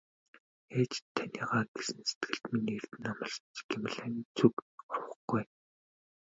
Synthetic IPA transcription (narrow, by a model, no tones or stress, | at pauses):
xeːt͡ɕt̪ʰːanʲiːʁaːɡesɘ̆nse̥t̪ɡɘ̆ɬt̪miniːert̪ɘ̆namə̆ɮt͡ɕɡem̆ɮæːnʲiːt͡sʰukɔrwə̆χɡ̥uj